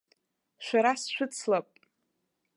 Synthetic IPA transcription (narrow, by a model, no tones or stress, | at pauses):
ʃʷᶣaɾasʃʷᶣʊt͡sʰlapʼ